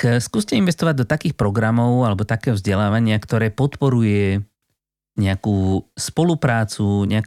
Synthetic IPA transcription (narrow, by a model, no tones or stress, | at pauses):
kskuːscɛinʋɛst̪ɔʋaɟ̚d̪ɔt̪akiːxpɾɔɡɾamɔʊalɛbɔt̪akɛːɦɔvzɟɛlaːʋaɲɪakt̪ɔɾɛːpɔt̪pɔɾujɛ | ɲɛakuːspɔlupɾaːt͡suɲɛak